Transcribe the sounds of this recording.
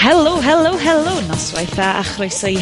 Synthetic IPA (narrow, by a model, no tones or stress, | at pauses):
hɛlˠʊwɦɛlˠʊwɦɛlˠʊnɔswajθaʔa̰χrojsəj